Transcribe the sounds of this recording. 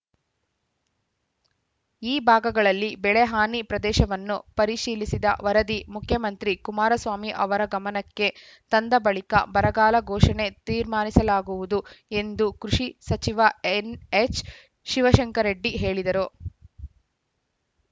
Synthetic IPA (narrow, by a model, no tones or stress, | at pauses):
iːbʱaːɡɐɡɐɭɐlːibɛɭeɦaːnipɾɐd̪ɛːʃɐʋɐnːupɐɾiʃiːlisid̪ɐ̰ʋɐɾɐd̪imukʰjɐmɐnt̪ɾikumaːɾɐsʋaːmiʔɐ̰ʋɐɾɐɡɐmɐnɐkːe̞ | t̪ɐnd̪ɐbɐɭikɐ̰bɐɾɐɡaːlɐɡɔːʂɐne̞t̪iːɾmaːnisɐlaːɡuʋud̪ue̞nd̪ukɾuʂisɐt͡ʃiʋɐenet͡ʃ | ʃiʋɐʃɐŋkɐɾeɖːiɦe̞ːɭid̪ɐɾu